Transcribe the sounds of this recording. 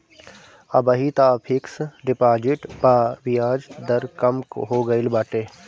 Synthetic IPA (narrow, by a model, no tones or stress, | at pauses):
ɐbəɦit̪aːpʰɪksɖɪpaːd͡ʒɪʈpaːʋijaːd͡ʒd̪ɐɾkɐmkɦoːɡɐɪlbaːʈeː